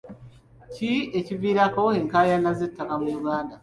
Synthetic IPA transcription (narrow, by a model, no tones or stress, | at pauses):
cieciviːɾako̞eŋkaːjanːazetːakameɡaːnda